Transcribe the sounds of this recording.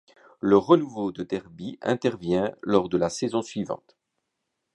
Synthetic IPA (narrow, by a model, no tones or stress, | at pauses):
ləʁənuvod̪əd̪ɛʁbiɛ̰̃t̪ɛʁvjɛ̃lɔʁd̪əlasɛzɔ̃sɥivɑ̰̃t̪